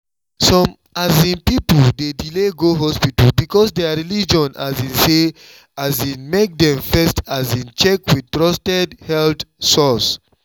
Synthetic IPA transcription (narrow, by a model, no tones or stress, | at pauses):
sɔ̃m | azĩnpipɔldedileɡoɦɔspitəlbikɔsdɛaɹilid͡ʒɔ̃nazĩnse | azĩnmek̚dɛ̃ɱfɛstazĩnt͡ʃɛkwid̚tɹɔstɛdhɛltsɔs